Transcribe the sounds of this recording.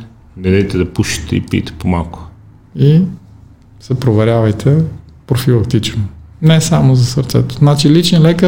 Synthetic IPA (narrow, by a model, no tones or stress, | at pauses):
nɛd̪ɛjt̪ɛd̪ɐpuʃi̥t̪ɛ̰ḭpḭjt̪ɛ̥pomalˠkʊ̥ | i | sɛpɾovɛɾʲjavɐjt̪ʰɛpɾofilˠɐk̚t̪it͡ʃnonɛsamozɐsəɾt̪sɛ̰t̪o̥znat͡ʃilit͡ʃɛnlɛkə